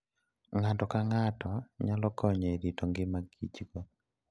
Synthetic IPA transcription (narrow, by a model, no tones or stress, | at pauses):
ŋatɔkaŋatɔɲalɔkɔɲeɾitɔŋɡɪmaɡit͡ʃko